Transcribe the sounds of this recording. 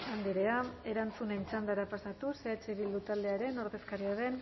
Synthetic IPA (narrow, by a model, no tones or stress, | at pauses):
and̪iɾe̞ae̞ɾant͡suneit͡sand̪aɾapasat̪use̞at͡ʃe̞βild̪ut̪ald̪e̞aɾe̞no̞ɾðe̞skaɾiaðe̞n